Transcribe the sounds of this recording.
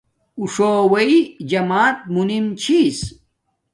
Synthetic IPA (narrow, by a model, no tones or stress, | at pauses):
uʂoːwɐid͡ʑɐmaːt̪̚munimt͡ɕʰis